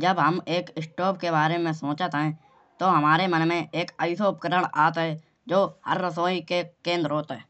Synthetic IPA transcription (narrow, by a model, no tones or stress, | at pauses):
d͡ʒəbɦəmeːkɪsʈoːp̚keβaːɾemẽsõːt͡ʃət̪ɦɛ̃ | t̪oɦɐmaːɾemənmẽeːkəɪsoʊp̚kəɾəɽ̃aːt̪ɦɛː | d͡ʒoːhəɾːəsoːikekẽːnd̪ɾoːt̪ɦɛː